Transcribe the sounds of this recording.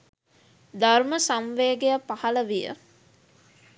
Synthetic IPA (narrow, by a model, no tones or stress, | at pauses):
d̪arməsamʋeːɡejapahɐləʋijə̰